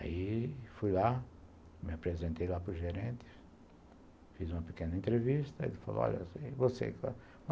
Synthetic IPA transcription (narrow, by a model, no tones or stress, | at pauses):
a̰ifujla | mɪapɾezẽnt̪ejlapɾʊʒeɾẽnt̪ɪ̥ | fizũmɐpe̥kẽnɐẽnt̪ɾeviʃt̪ɐḛlfalo̰ɔ̰ʎɐ̰sevosḛka̰